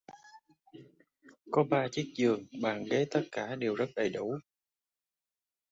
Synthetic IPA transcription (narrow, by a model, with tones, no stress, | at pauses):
kɔ˨˦ɓaː˧t͡ɕi˦˥ək̚zɨ˨˩əŋɓa̰ː˧˨nɣe˨˦t̪ə˦˥t̚kaː˧˩˨ɗe˨˩wzə˦˥t̚ɗə˨˩jɗu˧˩